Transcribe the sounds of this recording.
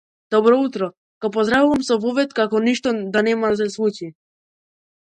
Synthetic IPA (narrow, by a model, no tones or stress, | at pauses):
d̪̥ɔbɾɔut̪ɾɔ | ɡ̥ɔpɔzd̪ɾavuvamsɔvɔvɛt̪kakɔniʃt̪ɔd̪anɛmas̬ɛsvut͡ʃi